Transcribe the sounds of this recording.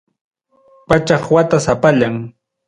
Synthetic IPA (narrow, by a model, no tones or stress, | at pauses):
pat͡ʃɑχwat̪asapaʎaŋ